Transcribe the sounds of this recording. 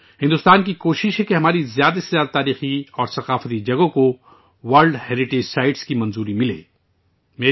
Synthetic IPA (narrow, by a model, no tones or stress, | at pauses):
hɪ̃nd̪ʊst̪aːnkikoːʃɪʃɦẽkeɦɐmaːɾizjaːd̪asezjaːd̪at̪aːɾiːxiɔːɾsɐqaːfət̪id͡ʒɐɡõko | wɐɾlɖheːɾɪʈeːd͡ʒsaːɪɖskimɐ̃nzuːɾimɪlḛː | meː